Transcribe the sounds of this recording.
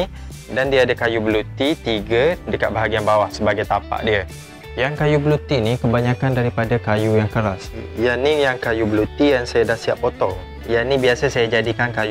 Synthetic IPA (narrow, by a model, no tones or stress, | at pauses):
dandiadakajubəlut̪it̪iɡədəkat̪̚baɦaɡianbawahsəbaɡajt̪ampa̰ʔdiə | jaŋkajubəlut̪inikəbaɲãkandaɾipadakajujaŋkəɾasjanijaŋkajubəlut̪ijaŋsajadahsiappːot̪ɔl | janĩbiasasajad͡ʒadikankaj